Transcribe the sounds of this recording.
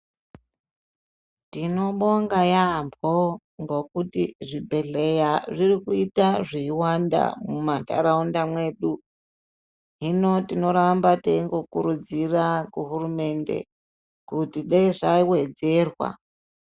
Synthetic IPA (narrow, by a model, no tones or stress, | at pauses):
tino̞ɓo̞ŋɡajambo | ŋɡo̞kutiʐibʱe̞ɮe̞jaʐirikuitaʐiiwanda̰mumata̰ɾaundamwe̞ɗu | ɦino̞tino̞ɾambateiŋɡo̞kuɾud͡zirakuɦurume̞nde̞̰ | kutiɗaiʐaiwe̞d͡ze̞ːrwa̰